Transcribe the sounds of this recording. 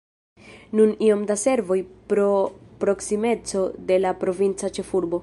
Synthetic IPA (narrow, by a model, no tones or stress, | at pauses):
nunio̞mdase̞ɾvo̞jpɾo̞pɾo̞ksime̞t͡so̞de̞lapɾo̞vint͡sat͡ʃe̞fuɾbo̞